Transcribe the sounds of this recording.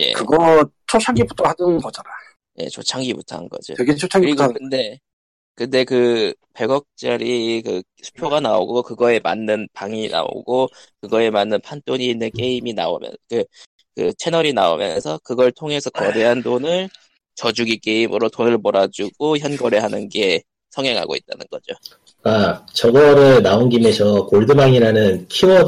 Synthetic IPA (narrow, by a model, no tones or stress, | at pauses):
je̞̰kɯɡʌt͡ɕʰot͡ɕʰaŋɡibutʰohanɯkʌd͡ʑaɾajo | je̞̰t͡ɕʰot͡ɕʰaŋɡibutʰa̰nɡʌ̰d͡ʑo̰kɯɡet͡ɕʰot͡ɕʰaŋɡiɾiɡkɯnde̞ | kɯnde̞kɯpe̞ɡʌk̚t͡ɕ͈ʌɾikɯ | sʰu̥pʰjoɡanao̰ɡokɯɡʌe̞ma̰nːɯnpaŋina̰o̰ɡokɯɡʌe̞manːɯnpʰant͈oɲiːnːɯnk͈e̞imina̰o̰mjʌ̰nkɯ | kɯ̰t͡ɕʰe̞nʌɾinao̰mjʌ̰nsʰʌkɯɡʌɭtʰoŋe̞sʰʌkʌdeɦandonɯɭ | t͡ɕʌd͡ʑuɡik͈e̞imɯɾotonɯɭmʌɾad͡ʑuɡ̥oçjʌnɡʌɾeɦhanɯnɡe̞ | sʰʌŋeŋɦa̰ɡo̰it̚t͈anɯnɡʌ̰d͡ʑo | at͡ɕʌɡʌɾɯɭnaonɡime̞sʰʌkoɭdɯbaŋiɾanɯnkʰiʌ